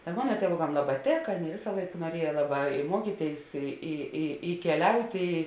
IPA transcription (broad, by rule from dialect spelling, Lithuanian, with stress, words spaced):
tɐ ˈmoːnɐ tʲiɛˈʋoːkɐm ˈlˠɑːˌbɑː ˈtʲeːkɐ ˈʋʲeːsɐ ˈlˠɐɪk nuɔˈrʲiɛjɛ ˈlˠɑːˌbɑː ɪ ˈmuɔkʲiːˌtʲeːɪs ɪ ɪ ɪ kʲɛˈlʲɛʊtʲɪ